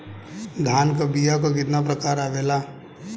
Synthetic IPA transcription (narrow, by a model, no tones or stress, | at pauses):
d̪ʱaːnkabijakokɪt̪napɾəkaːɾaːʋeːla